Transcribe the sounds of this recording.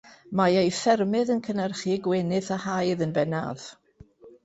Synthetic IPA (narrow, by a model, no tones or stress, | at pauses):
majejfɛrmɨðənkʰənərχiɡwenɨθahajðənbɛna̰ð̥